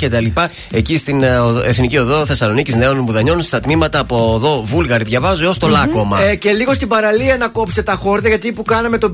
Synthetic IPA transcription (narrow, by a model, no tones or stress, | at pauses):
ce̞t̪ɐlipɐ | e̞cist̪inoeθnicio̞ðo̞θe̞sɐlo̞nicizneo̞nbuðɐɲo̞nunst̪ɐt̪mimɐt̪ɐːpoðo̞vulɣɐɾiðʝɐvɐzuost̪o̞lɐko̞mɐce̞liɣo̞st̪ibɐɾɐliɐnɐko̞pset̪ɐxo̞ɾt̪ɐʝɐt̪ipukɐnɐme̞t̪o̞